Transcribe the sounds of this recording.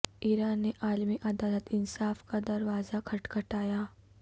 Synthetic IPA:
iːɾaːnːeʔaːlmiʔɐd̪aːlət̪ɪnsaːfkad̪ɐɾʋaːzakʰɐʈkʰɐʈaːjaː

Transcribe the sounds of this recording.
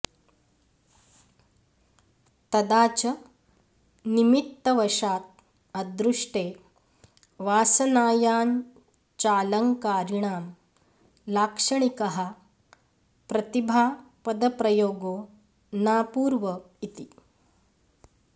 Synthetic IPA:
t̪ɐd̪aːt͡ʃɐ | nimit̪ːɐʋɐʃaːt̪̚ | ɐd̪ɾuʂʈeː | ʋaːsɐnaːjaːn | t͡ʃaːlɐŋkaːɾiɳaːm | laːkʂɐɳikɐɦɐ | pɾɐt̪ibʱaːpɐd̪ɐpɾɐjoːɡoː | naːpuːɾʋɐ | it̪i

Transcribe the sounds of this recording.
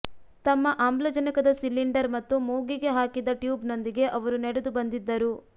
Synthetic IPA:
t̪ɐmːɐʔaːmblɐd͡ʒɐnikɐd̪ɐsilːiɳɖɐɾmɐt̪ːumoːɡiɡe̞ɦaːkid̪ɐʈjuːbno̞nd̪iɡe̞ʔɐʋɐɾunɛɽed̪ubɐnd̪id̪ːɐɾu

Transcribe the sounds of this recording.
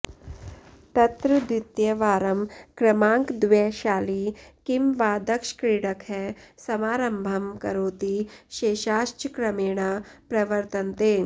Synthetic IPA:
t̪ɐt̪ɾɨd̪it̪jɐʋaːɾɐmkɾɐmãːŋkd̪ʋeːʃaːlikimʋaːd̪ɐkʃkɾiːɽɐkɦɛsɐmaːɾɐmbʱɐmkɐɾoːt̪iʃeːʃaːʃt͡ʃkɾɐmeːɽ̃ɐpɾɐʋɐɾt̪ɐnt̪eː

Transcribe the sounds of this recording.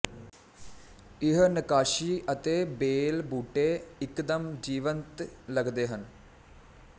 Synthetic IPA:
ɪɦnəkaːʃiːʔət̪eːbeːlbuːʈeːɪkd̪əmd͡ʒiːʋənt̪ləɡd̪eːɦən

